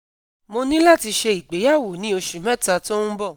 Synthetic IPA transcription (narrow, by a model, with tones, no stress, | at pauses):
mo˧nĩ˦la˦˨ti˧ʃe˧i˨k͡pe˨˦ja˦˨wo˨˦nĩ˨˦o˧ʃĩ˨mɛ̃˦˨ta˧to˦nũ˦bɔ˦˨